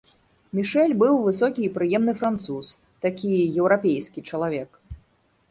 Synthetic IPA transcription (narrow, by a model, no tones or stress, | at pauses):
mʲiʂɛlʲbɨwvɨsɔkʲiːpɾɨjɛmnɨfɾant̪sus | t̪akʲijɛwɾapʲejskʲit͡ʂɐlˠavʲɛk